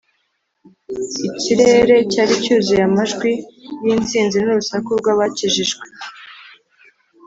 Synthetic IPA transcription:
iciɾe̞ɾe̞caːɾicuːziɾamaʒɡwijiːnt͡siːnzinuɾusakubɡwaβaciʒiʒɡwe

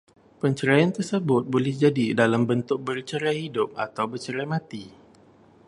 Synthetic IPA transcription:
pəɲt͡ʃəɾajant̪ərsəbʊt̪̚bolɛhd͡ʒadidalambənt̪ʊk̚bərt͡ʃəɾahidʊp̚a̰t̪awbərt͡ʃəɾamãt̪i

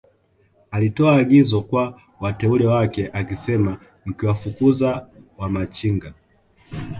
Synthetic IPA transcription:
alitɔaːɡizɔkwa | watɛulɛwakɛʔakisɛma | m̩kiwafukuzawamat͡ʃiŋɡa

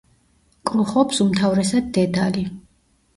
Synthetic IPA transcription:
kʼulˠχɔpsumt̪ʰavɾɛsad̪ːɛd̪ali

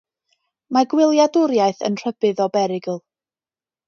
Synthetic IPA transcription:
maɡwɪlˠjadʊɾjaɨθə̰nr̥əbɨðɔbɛɾɪɡəlˠ

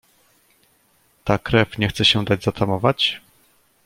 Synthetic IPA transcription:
t̪akɾɛfɲɛxt̪sɛɕɛd̪ad͡ʑzat̪ʰamɔvat͡ɕ

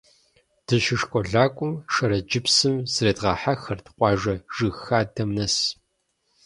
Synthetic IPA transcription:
d̥ɨʃɪʂkʷʼɔɮaːkʷʼʊmʃɐɾɐd͡ʒɪpsɨmzreːdʁɑːħaxɐrtʰqʷʼɑːʒɐʒɨxaːdɐmnɐs

